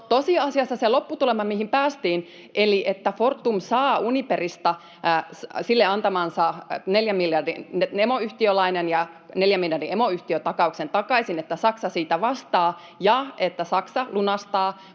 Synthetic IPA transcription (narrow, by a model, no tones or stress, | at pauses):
t̪osiɑsiɑsːɑselo̞pːut̪ulemɑmihimpæːst̪iːn | ʔeliʔet̪ːæfort̪ːumsɑːuniperist̪ɑ | silːeɑnt̪ɑmɑnsɑneljæmːiljɑrdinemoyht̪iølɑinenjɑ | neljæmːiljɑrdiemoyht̪iøt̪ɑkɑuksent̪ɑkɑisinet̪ːæsɑksɑsiːt̪æʋɑst̪ɑː | jɑet̪ːæsɑksɑlunɑst̪ɑː